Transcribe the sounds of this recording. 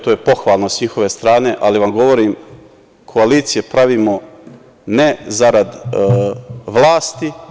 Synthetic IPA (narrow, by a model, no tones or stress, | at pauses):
t̪oːjepo̞xʋaːlˠno̞sɲixo̞ʋe̞st̪ɾaːne̞ʔaliʋamɡo̞ʋo̞ɾiːm | kʰoaliːt̪sijepɾaʋiːmo̞ | nezaɾad̪ | ʋlˠaːst̪i